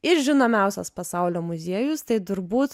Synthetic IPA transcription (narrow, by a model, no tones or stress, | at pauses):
ɪɾʒʲɪnoːmʲɛˑʊsʲɛspɐsɑˑʊlʲoːmʊzʲiɛjʊst̪ɐɪd̪ʊɾbuːt̪